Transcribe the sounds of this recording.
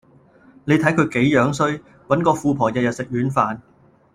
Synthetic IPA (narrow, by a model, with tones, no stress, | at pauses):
ne˨˧jt̪ʰɐ˨˥jkʰɵ˧ɥke˨˥jjœː˨˧˥ŋsɵ˥ɥ | wɐ˨˥nkɔː˧fuː˨˧pʰɔː˨˩jɐ˨jɐ˨t̚sɪ˨k̚ɥyː˨˥nfaː˨n